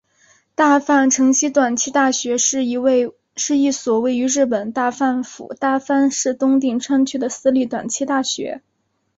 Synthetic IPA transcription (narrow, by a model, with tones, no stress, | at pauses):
t̪a˥˧fa˥˩nʈ͡ʂʰɤ˧˥ŋɕi˥t̪wa˨˩nt͡ɕʰi˥t̪a˥˩ɕɥɛ˧˥ʂɻ̩˥˩˧we˥˧ | ʂɻ̩˥˧i˥˩swɔ˨˩we˥˩ɪy˧˥ɻɻ̩˥˩pə˨˩nt̪a˥˧fa˥˩nfṵ˨˩˦t̪a˥˩fa˥nʂɻ̩˥˩t̪ʊ˥ŋt̪̬i˥˩ŋʈ͡ʂʰwa˥nt͡ɕʰy˥˩d̪ə˨sɹ̩˥li˥˩t̪wa̰˨˩nt͡ɕʰi˥t̪a˥˩ɕɥɛ̰˧˥